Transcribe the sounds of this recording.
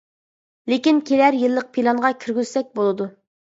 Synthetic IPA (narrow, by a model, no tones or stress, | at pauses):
lekʲinkʲʰelæɾjɨlˠːəq̚pʰilˠɑnʁɑkʲʰyɾɡʲyz̥sɛk̚ʲbolˠɨd̪u